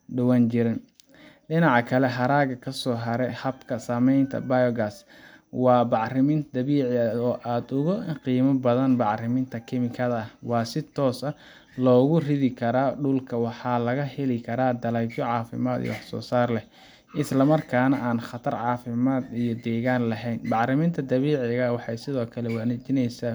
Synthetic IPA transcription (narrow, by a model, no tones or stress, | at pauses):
ɖɐwaːnt͡ʃɪɾɪn | ɖɪnɑʕɑkʰɐlɛɦɐɾaːɣɐkʰɐsɔːɦɐɾɛhɐbkʰɐsaːmɛjnt̪ʰɐ̰bajɔɡas | wɑːbɑʕrɪmɪnt̪d̪ɐβiːʕɪɐɔːʔaːd̪ʊɣʊɪqiːmɐbɐðɐnbɑʕrɪmɪnt̪ʰɐkʰɪmɪkʰɐðɐɐwɑːsɪt̪ʰɔːsɐ | lɔːɣʊrɪðɪkʰɐɾaːɖʊlkʰɐwɑħɑːlɐɣɐhɛlɪkʰɐɾaːd̪ɐlɛjbt͡ʃɔʕɑːfɪ̰maːd̪ḭj̰wɑħsɔ̰ːsaːrlɛ | ʔɪslɐmɐrkʰaːnɐʔaːnχɑt̪ʰɐrʕɑːfɪmaːd̪ijɔd̪ɛːɣaːnlɐɦɛjnbɑʕrɪmint̪ʰɐd̪ɐβiːʕɪɣɐwɑħɑjsɪðɔːkʰɐlɛwaːnɛt͡ʃɪnɛjsa